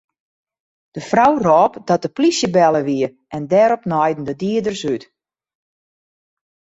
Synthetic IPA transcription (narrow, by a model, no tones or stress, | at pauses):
d̥əfrawrɔːpdɔt̚dəplisjəbɛlˠəʋiə | ʔɛndɛːɾɔpnɔjdn̩dədiədərsyt